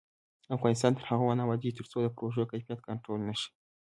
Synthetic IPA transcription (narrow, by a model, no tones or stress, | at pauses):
afɣɑnis̬t̪ɑnt̪əɾhaɣawanawad͡ʒit̪əɾt͡sod̪əpɾoʒekajfijat̪̚kaɳʈolnaʃi̥